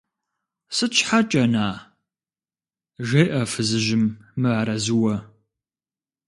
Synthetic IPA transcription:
sɨt͡ʃħat͡ʃʼɐnaː | ʒejʔɐfɨzɨʒɪmːɨaːɾɐzɨwɐ

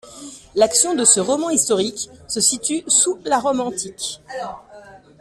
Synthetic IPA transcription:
laksjɔ̃d̪əsəʁɔmɑ̃ist̪ɔʁiksəsit̪ysulaʁɔmɑ̃t̪ik

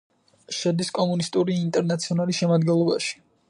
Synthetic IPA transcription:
ʃɛd̪iskʼɔmunist̪ʼuɾiːnt̪ʼɛɾnat̪sʰiɔnalisʃɛmad̪ɡɛnlˠɔba̰ʃi̥

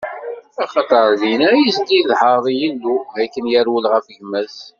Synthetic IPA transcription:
ɑχɑt̪ˤəɾˤðinæjist̪iðħəˤðˤijəlːuækːənjəɾwəlʁəfʝəmːæs

